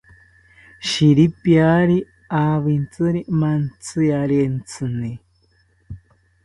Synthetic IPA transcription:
ʃiɾipjaɾi | aβint͡sɨɾimant͡sɨjaɾent͡sɨni

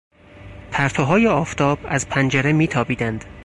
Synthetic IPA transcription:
t̪ʰæɾt̪ʰoɦɒːjeɒːft̪ʰɒːbæ̰zpʰænd͡ʒeɾemiːt̪ʰɒːbiːd̪ænd̪̥

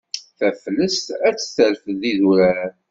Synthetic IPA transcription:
θæfləst̪æt͡sːθəlfəðiðuɾæn

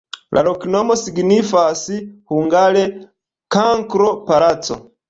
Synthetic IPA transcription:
lʔa̰loknomosiɡnifasihuŋɡale | kaŋkɾo̞palat͡so̰

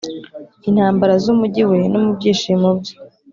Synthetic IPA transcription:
inhaːmbaɾazumuɟiwe̞nomubɟiːʃiːmobje̥

